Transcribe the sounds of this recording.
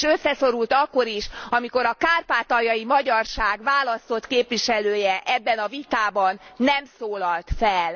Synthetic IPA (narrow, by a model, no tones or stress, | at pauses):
ʃø̞sːɛso̞ɾult̪ɒkːo̞ɾiʃɒmiko̞ɾɒkaːrpaːt̪ɒjɒjimɒɟɒrʃaːɡʋaːlɒst̪o̞t̪keːpʋiʃɛløːjɛʔɛbːɛnɒvit̪aːbɒnːɛmsoːlɒlt̪fɛl